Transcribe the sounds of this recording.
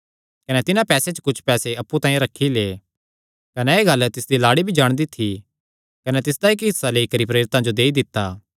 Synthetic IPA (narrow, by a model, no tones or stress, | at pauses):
kɐnɛt̪ɪnãpɛːset͡ʃə̥kʊt͡ʃʰpɛːseɐpːut̪ãːĩɾɐkʰːileː | kɐnɛeːɡɐlt̪ɪsd̪ilaːɽibʱid͡ʒaːɽ̃d̪it̪ʰi | kɐnɛt̪ɪsd̪aɪkɦɪsːaleːikɐɾipɾeːɾɪt̪ãd͡ʒod̪eːid̪ɪt̪ːaː